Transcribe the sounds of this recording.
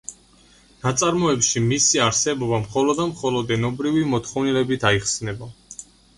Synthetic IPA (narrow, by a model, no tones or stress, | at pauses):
nat̪sʼaɾmɔɛpʃimisiaɾsɛbɔbamχɔlɔd̪amχɔlɔd̪ɛnɔbɾivimɔt̪ʰχɔvnilɛbit̪ʰaiχsnɛba